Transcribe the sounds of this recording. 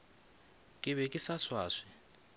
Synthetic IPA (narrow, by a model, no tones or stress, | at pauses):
kʼɪβɛkʼɪsaswaːʂi